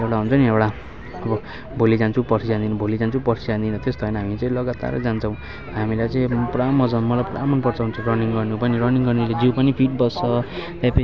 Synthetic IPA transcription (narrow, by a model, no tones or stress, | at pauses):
ewɽaɦunt͡sʰʌniewɽa | ʌbʌ | bʱolid͡zant͡sʰupʌsʰid͡zand̪inʌbʱolid͡zant͡sʰupʌsit͡sãnd̪inʌt̪est̪oɦʌjnʌɦamit͡sʌĩlʌɡat̪a̰ɾḛd͡zant͡sʰʌ̃w̃ | ɦamilajt͡sʌĩpramʌd͡zʌnmʌlajpra̰mʌnpʌrt͡sʰʌɦunt͡sʰʌrʌniŋɡʌrnupʌniɾʌniŋɡʌrniled͡ziwpʌnipʰiʈ̚bʌsːʌpape